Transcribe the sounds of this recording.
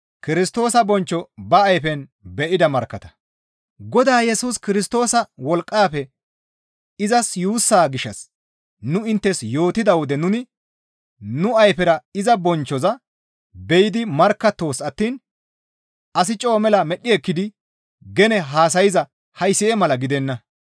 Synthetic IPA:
kɪɾɪst̪o̞ːsɐbɔnt͡ʃːɔbɐːjfɛnbɛʔɪd̪ɐmɐɾkːɐt̪ɐ̥ | ɡɔd̪aːjɛsuːskɪɾɪst̪o̞ːsɐwɔlkʼːaːpɛ | ɪzɐsjuːsːaːɡɪʃːɐ̰s | nʊɪnt̪ːɛsjo̞ːt̪ɪd̪ɐwɔd̪ɛnʊnɪ | nʊɐjpɛɾɐɪzɐbɔnt͡ʃːɔzɐ | bɛjɪd̪ɪmɐɾkːɐt̪ːo̞ːsɐt̪ːiːn | ɐs̬ɪt͡ʃʼo̞ːmɛlɐmɛɗːɪɛkːɪd̪ɪ | ɡɛnɛɦaːs̬ɐjɪzɐ | hɐjsɪjɛmɐlɐɡɪd̪ɛnːɐ

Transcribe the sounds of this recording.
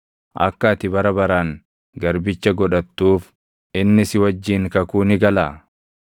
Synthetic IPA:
ʔɐ̰kːaːt̪ɪbɐɾɐbɐɾaːŋ | ɡɐɾbɪt͡ʃːɐɡɔᶑɐt̪ːuːf | ɪnːɪsɪwɐd͡ʒːiːŋkɐkuːnɪɡɐlaː

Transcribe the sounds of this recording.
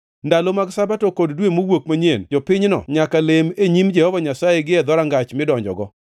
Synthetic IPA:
ndalomaɡsabatɔkoddwemowokmaɲend͡ʒɔpɪɲnɔ̰ɲakalemeɲimd͡ʒɛhɔvaɲasajeɡɪɛd̪ɔɾaŋɡat͡ʃmɪdɔɲd͡ʒɔ̰ɡɔ

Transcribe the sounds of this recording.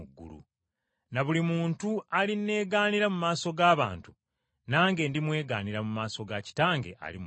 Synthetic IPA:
uɡːṵlṵ | naβulimuːntualinːe̞ːɡaːniɾamumaːso̞ɡaːβa̰ːntu̥ | naːŋɡe̞ːndimwe̞ːɡa̰ːniɾamumaːso̞ɡaci̥taːŋɡe̞̰ʔa̰lḭm

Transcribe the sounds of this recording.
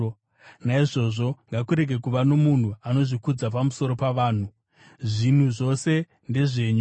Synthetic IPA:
naiʐo̞ʐo̞ŋɡakuɾe̞ɡe̞kuʋano̞mun̤uano̞ʐikud͡zapamuso̞ɾo̞paʋaːn̤u | ʐin̤uʐo̞se̞ | nde̞ʐe̞ːɲu

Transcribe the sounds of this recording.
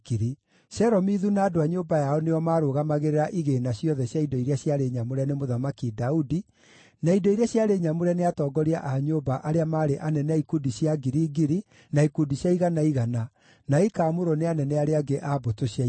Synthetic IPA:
kiɾi | ɕɛɾɔmiðunaːdoaɲoːbajaɔneɔmaːɾoːɣamaɣeɾeɾaʔiɣenaɕjɔðɛɕjaidɔiɾeaɕjaɾeɲamoɾɛnemoðamakidaudi | naidoiɾeaɕjaɾeɲamoɾɛneatɔːɡɔɾia̰ʔaɲoːbaʔaɾeamaːɾeʔanɛnɛaikudiɕjaɡiɾiːɡiɾi | naikudiɕjaiɣanaiɣana | naikamoɾɔneanɛnɛaɾeaɡeʔabotoɕja

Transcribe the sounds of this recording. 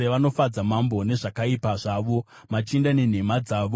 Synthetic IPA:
eʋano̞fad͡zamambo̞ne̞ʐakaipaʐaʋo̞ | mat͡ʃindanen̤e̞mad͡zaːʋo

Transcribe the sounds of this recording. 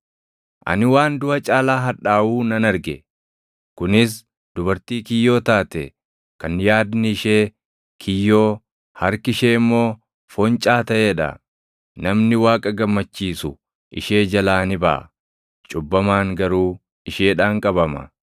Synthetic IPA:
ʔɐ̰nɪwaːnd̪ʊʔɐt͡ʃʼaːlaːɦɐᶑaːʔuːnɐnɐɾɡɛ | kʊnɪs̬ | d̪̥ʊbɐɾt̪iːkɪjːo̞ːt̪aːt̪ɛ̰ | kɐnːjaːd̪nɪɪʃeː | kʰɪjːo̞ː | hɐɾkɪʃe̞ːɪmːo̞ː | fɔnt͡ʃʼaːt̪ɐʔeːᶑɐ̰ | nɐmnɪwaːkʼɐɡɐmːɐt͡ʃːiːsʊ | ʔɪ̰ʃe̞ːd͡ʒɐlaːnɪbɐ̰ʔɐ | t͡ʃʼʊbːɐmaːŋɡɐɾuː | ɪʃe̞ːᶑaːŋkʼɐbɐmɐ̰

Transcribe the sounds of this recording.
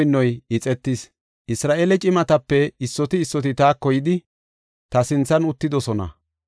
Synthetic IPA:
jnːɔjɪt͡sʼɛt̪ːɪs | ʔɪsɾaːʔelɛt͡ʃʼɪmɐt̪ɐpːɛɪsːɔt̪ɪːsːɔt̪ɪt̪aːkːɔjɪd̪ɪ | t̪ɐsɪnt͡sːɐnʊt̪ːɪd̪ɔsɔnɐ̰

